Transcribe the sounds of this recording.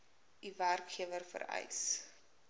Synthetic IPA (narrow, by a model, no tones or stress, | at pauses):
iværkχiəvərfə̰ɾɐ̰js